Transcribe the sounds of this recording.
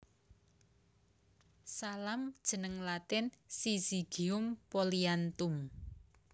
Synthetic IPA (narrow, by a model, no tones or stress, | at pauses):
salamd̥ʒ̥ə̤nəŋlat̪ɪnsisiɡ̥i̤ʊmpoliant̪ʊm